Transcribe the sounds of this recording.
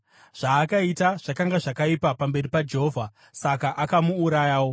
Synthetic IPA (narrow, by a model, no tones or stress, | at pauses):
ʐ̥aːkaitaʐ̥akaŋɡaʐakaipapambe̞ripad͡ʒe̞ɦo̞ːvʱa | sakaʔakamuːɾajaːwo̞